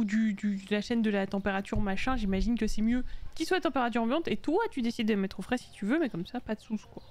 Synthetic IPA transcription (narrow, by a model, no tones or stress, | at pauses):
ud̪yd̪yd̪laʃɛnd̪əlat̪ɑ̃peʁat̪yʁmaʃɛ̃ʒimaʒinkəsɛmjøkʲiswat̪ɑ̃peʁat̪yʁɑ̃bjɑ̃t̪et̪wat̪yd̪esid̪ed̪əlmɛt̪χofχɛsi̥t̪yvømɛkɔmsapad̪əsuskwa